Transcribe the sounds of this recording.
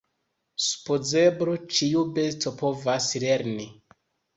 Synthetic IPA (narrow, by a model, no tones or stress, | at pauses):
su̥pozebɾo̞t͡ʃiube̞t͡so̞po̞vasle̞ɾni